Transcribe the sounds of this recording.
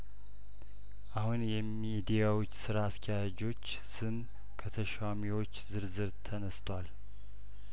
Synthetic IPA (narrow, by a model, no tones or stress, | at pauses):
ʔahunjɛmid̪ijawot͡ʃːsɨɾaːskʰəjad͡ʒo̞t͡ʃː | sɨm | kʰət̪ʰəʃamiwo̞t͡ʃːzɨɾzɨɾt̪ʰənəst̪ʰwal